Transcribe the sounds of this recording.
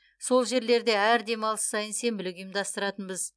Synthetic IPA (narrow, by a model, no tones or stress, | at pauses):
so̞lˠʒe̞ɾle̞ɾd̪e̞æɾd̪e̞mɑlˠəssɑjənse̞mbɪlɪɡʲʏjəmd̪ɑst̪əɾɑt̪ənbəz